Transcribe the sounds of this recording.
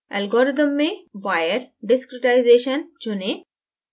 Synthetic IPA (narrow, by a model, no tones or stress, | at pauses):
ɛlɡɔːɾɪt̪̬əmːẽʋajəɾɖɪskɾɪʈaɪzeːʃənd͡ʒʊne